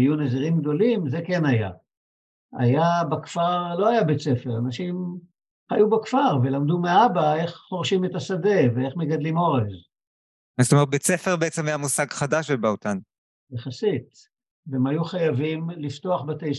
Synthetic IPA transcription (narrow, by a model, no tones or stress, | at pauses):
ajuneziʁimɡd̪o̞limze̞ke̞naja̰ | a̰jabakfaʁlo̞ajabet͡se̞feʁanaʃim | hajubakfaʁve̞lamd̪umeabae̞χχo̞ʁʃimet̪asade̞vee̞χmeɡad̪limo̞ʁez | azt̪omeet̪̚bet͡sefeʁbeet͡semajamusaɡχad̪aʃbebaot̪an | jeχasit̪ | vemajuχajavimlift̪oaχbat̪ej